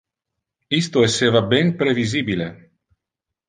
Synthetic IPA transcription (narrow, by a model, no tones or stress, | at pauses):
ist̪oesːeːvabenpɾevizibile